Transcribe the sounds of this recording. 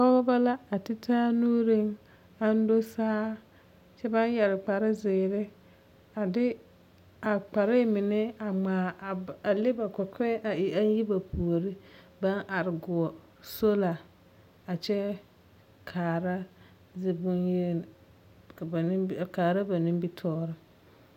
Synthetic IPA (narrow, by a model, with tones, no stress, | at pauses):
ɔ˦bɔ˦ba˦la˦a˨tɪ˦tʰaː˦nuː˦ɾɪ˦ŋ | a˦n̩˦do˦saː˦ | t͡ʃɛ˦ba˦n˦jɛ˨ɾɪ˨k͡pa˨ɾɪ˦zɪː˨ɾɪ˦ | a˨dɪ˦ | a˨k͡pa˨ɾɪ˦mɪ˨nɛ˦a˨ŋ͡maː˨a˨lɪ˦ba˨kɛ˨kɛ˦ʔa˨ɪ˨a˦n˦ji˦ba˨pʰu˨o˨ɾɪ˦ | ba˦nʔa˨ɾɪ˨ɡʊ˨ɔ˨ | so˦la˨ | a˨t͡ʃɛ˦ | kʰaː˨ɾa˦ | zɪ˨bʊ˦nje˦˨˦ | kaː˨ɾa˦ba˨nɪ˦mbi˦tʰɔː˦ɾɪ˦